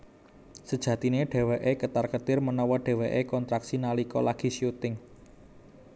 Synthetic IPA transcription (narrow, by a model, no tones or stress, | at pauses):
səd̥ʒ̥ä̤t̪ineɖ̥e̤weʔekət̪arkət̪ɪrmənɔwɔɖ̥e̤weʔekɔnt̪ɾaksinalikɔlaɡ̥i̤siut̪ɪŋ